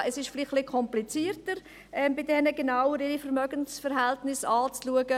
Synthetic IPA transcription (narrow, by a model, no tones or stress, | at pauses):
ʔɛsɪʃflɪχlikʰɔmplit͡siːərtəɾ | ɛmbɪdɛnəɡenawəɾɪɾifəɾmœɡənsfəɾɦɛltnɪsɑːt͡sluəɡə